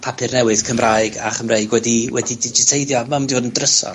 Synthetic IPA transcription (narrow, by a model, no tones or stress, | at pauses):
pʰapʰɨrnɛwɨðkʰəmraːjɡa̰χəmreɨɡwɛdiwɛdidɪd͡ʒɪtʰejðjɔmamdioːdəndrəsɔ̰